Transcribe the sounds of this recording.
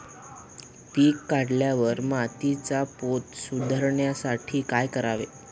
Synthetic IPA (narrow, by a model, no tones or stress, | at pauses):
piːkːaɽljaʋəɾmat̪it͡sapot̪sud̪ʱəɾɳjasaʈʰiːkajkəɾaʋe